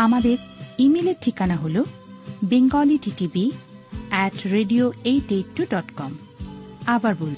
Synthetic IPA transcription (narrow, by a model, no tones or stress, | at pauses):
amad̪eɾimeleɾʈʰːikanaɦolobeŋɡɔliʈiʈibi | ɛʈɾeɖioejɖejʈːuɖɔʈkɔm | abaɾbol